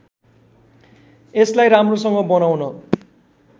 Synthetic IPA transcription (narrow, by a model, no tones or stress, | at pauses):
eslajɾamrosʌŋɡʌbʌnawnʌ